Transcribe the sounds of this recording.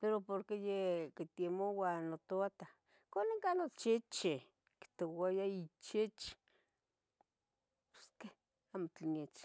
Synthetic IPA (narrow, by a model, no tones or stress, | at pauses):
peɾopoɾkejekit̪emowanot̪oat̪a | kʷaneŋkanot͡ʃit͡ʃi | ki̥t̪owajait͡ʃit͡ʃi̥ | po̥ske | amot͡ɬenet͡ʃ